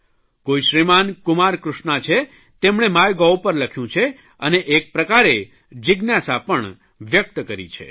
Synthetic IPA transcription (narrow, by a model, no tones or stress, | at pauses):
koiʃɾimankʊmaɾkɾʊʃɳat͡ʃʰe | t̪emɳ̃emajɡawpəɾləkʰjũt͡ʃʰe | əneʔːk̚pɾəkaɾe | d͡ʒɪɡnjasapəɳ | ʋjək̚t̪kəɾḭt͡ʃʰḛ